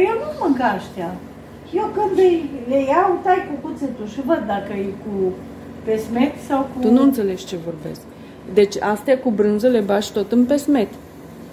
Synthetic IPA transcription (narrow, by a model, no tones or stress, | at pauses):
jewnumɨŋkaʃt̪ea | jewkɨnd̪ɨjlejawt̪ajkukut̪set̪uʃivəd̪ːakəjku | pesmet̪sawkut̪unuɨnt̪se̞le̞ʃʲt͡ʃe̞vo̞rbe̞̰sk | d̪e̞t͡ʃʲast̪jakubɾɨnzəle̞baʃʲt̪o̞t̪ɨmpe̞sme̞t̪